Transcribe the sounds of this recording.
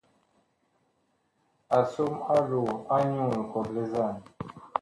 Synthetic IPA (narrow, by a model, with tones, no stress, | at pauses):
a˨so˦ma˦lu˨a˦ɲu˦˨lkɔ˨ble˦za˦˨n˨